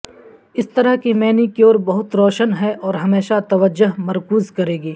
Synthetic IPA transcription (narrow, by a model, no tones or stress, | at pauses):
ɪst̪ɐɾəɦkimɛːnikioːɾbɐɦʊt̪ɾɔːʃənɦɛʔɔːɾɦɐmeːʃat̪ɐʋəd͡ʒːʊɦmɐɾkuːzkɐɾeːɡiː